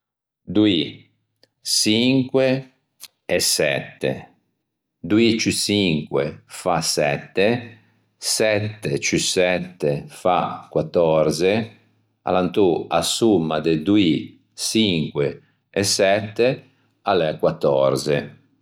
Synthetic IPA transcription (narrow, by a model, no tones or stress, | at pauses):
d̪ui | siŋkwe | ɛsɛ̰t̪ːḛ | d̪uit͡ʃisiŋkwḛfasɛt̪ːe | sɛt̪ːet͡ʃysɛt̪ːefakwat̪ːɔɾze | a̰lant̪ua̰sumːad̪ed̪ui | siŋkweː | sɛt̪ːe | alɛkwat̪ːɔɾze